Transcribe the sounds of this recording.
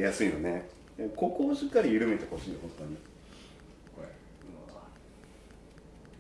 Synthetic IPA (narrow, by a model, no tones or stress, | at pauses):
jasɨino̞ne̞ | eko̞koːɕikːaɾʲijɯɾɯ̟me̞t̪e̞ho̞ɕiːjohõ̞nt̪o̞ɲ̟i | ɯ